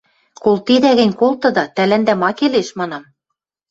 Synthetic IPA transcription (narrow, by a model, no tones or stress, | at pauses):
kolt̪id̪æɣɘ̆nʲkolˠt̪ɤ̆d̪ɑt̪ælænd̪æmɑkeleʃmɑnɑm